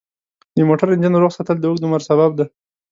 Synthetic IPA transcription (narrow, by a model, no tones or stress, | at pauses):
d̪əmoʈaɾɪnd͡ʒənoɾoɣsat̪əld̪əuɡd̪əmaɾsabab̚d̪a